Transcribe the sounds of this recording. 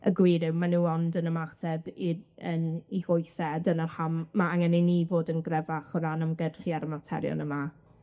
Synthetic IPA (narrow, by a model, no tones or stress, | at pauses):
ə̰ɡwiːɾɪwmanuːɔndənəmatʰɛbiəniɡʊjsɛdənərhamːaaŋɛninivoːdənɡrɛvaχɔɾanəmɡərχiaɾəmatʰɛ̰ɾjɔ̰nəma